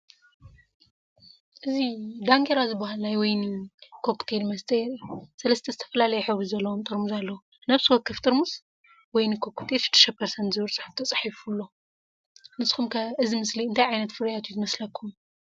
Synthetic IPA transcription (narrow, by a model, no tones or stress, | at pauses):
ʔɨzid̪aŋɡeɾazɨbːahalnajwɔjnɨkʰo̞kt̪ʰe̞lmɐst̪ʰʼeɾsɐlɐst̪ʰɐzɨt̪ʰɐ̥fɐlalɐjɛħɨβɾizɐlːɐwomt̪ʼɨɾmuzalːɐwu | naβsɨwɔkːɨft̪ʼɨɾmuz | wɔjnɨkʰo̞kt̪ʰe̞lʃɨ̥t̪ʰːɐ̥ʃɐpʰːɐɾsɐnt̪zɨβɨɾt͡sʼɨħɨft̪ʰɐt͡sʼḁħifulːo̞ | nɨsxumkʰɐɨzimɨsliɨnt̪ʰajʕajnɐt̪fɨɾjat̪ʰuzɨmɐslɐkʰːum